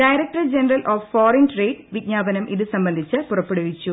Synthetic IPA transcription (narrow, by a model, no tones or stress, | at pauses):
ɖɐjɾɐk̚ʈɐrd͡ʑenɐrɐlʔoːfːoːɾɐnʈreːɖʋidɲaːbɐnɐmʔiðɨsɐmbɐnd̪ʱit͡ɕːɨpurɐpːeɽuʋit͡ɕːu